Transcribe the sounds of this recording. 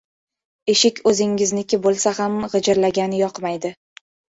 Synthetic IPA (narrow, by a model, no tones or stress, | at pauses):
e̞ʃɪkʲʰɵzɪŋɪznɪkʲʰɪbolˠsahamʁɨd͡ʒɪɾlaɡʲanɪjɒqmajd̪ɪ